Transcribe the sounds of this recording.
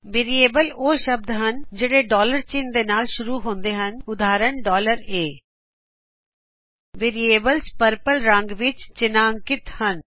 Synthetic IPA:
ʋeːɾieːbəloːʃəb̚d̪ɦənd͡ʒeɽeɖɔːləɾt͡ʃɪnd̪eːnaːlʃʊɾuɦõːnd̪eɦənʊd̪aːɾəɳɖɔːləɾeː | ʋeːɾieːbəlspəɾpəlɾə̃ŋɡʋɪt͡ʃt͡ʃɪnaːŋkɪt̪hən

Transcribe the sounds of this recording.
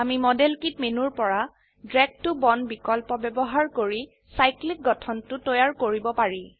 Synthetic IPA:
amimɔdɛlkit̚menuɹpɔɹa | dɹɛk̚tʊbɔnbikɔlpɔbɛbɔɦaɹkoɹi | sajklik̚ɡɔtʰɔntʊtɔjaɹkoɹibɔpaɹi

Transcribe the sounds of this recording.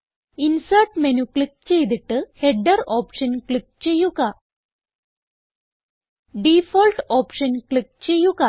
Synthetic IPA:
insaɾʈmenuklik̚t͡ɕeid̪iʈəheɖəɾɔpɕənklik̚t͡ɕejuka | ɖifɔlʈɔpɕənklik̚t͡ɕejuka

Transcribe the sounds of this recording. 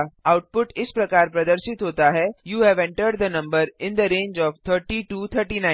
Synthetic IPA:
aʊʈ̚pʊʈɪspɾɐkaːɾpɾɐd̪əɾʃɪt̪ɦoːt̪aɦɛjuːɦɛʋɛ̃ɳʈəɾɖd̪ənɐ̃mbəɾɪ̃nd̪əɾẽːnd͡ʒɔːʋt̪ʰəɾʈiʈuːt̪ʰəɾʈiːnãɪ̃n

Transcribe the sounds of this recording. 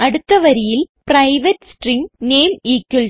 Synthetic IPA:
ɐɽɯt̪ːɐʋɐɾɪjɪlprɐɪʋɐʈsʈrɪŋneːmiːkːɐl

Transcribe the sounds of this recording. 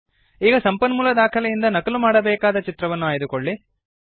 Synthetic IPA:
iːɡɐsɐmpɐnmuːlɐd̪aːkʰɐlɐjind̪ɐnɐkɐlumaːɽɐbɛːkaːd̪ɐt͡ʃit̪ɾɐʋɐnːuaːjɐd̪ukoɭːi

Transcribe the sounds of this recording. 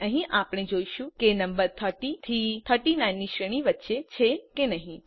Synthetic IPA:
ə̃ɦĩʔapɽ̃ed͡ʒoiʃũkenəmbəɾt̪ʰəɾʈit̪ʰit̪ʰəɾʈinajnːiʃɾeɽ̃ĩʋət̪ːʃet͡ʃʰekenəɦĩ

